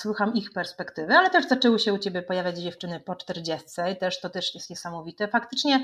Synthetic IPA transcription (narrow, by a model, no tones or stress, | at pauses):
swuxamixpɛɾspɛkt̪ɘvɘalɛt̪ɛʐzat͡ʂɛwɔɕɛut͡ɕɛbʲjɛpɔjavʲjad͡ʑd͡ʑɛft͡ʂɘnɘpɔt͡ʂt̪ɛɾd͡ʑɛst̪sɛit̪ɛʂt̪ɔt̪ɛʂjɛst̪ɲɛsamɔvʲit̪ɛfakt̪ɘt͡ʂɲɛ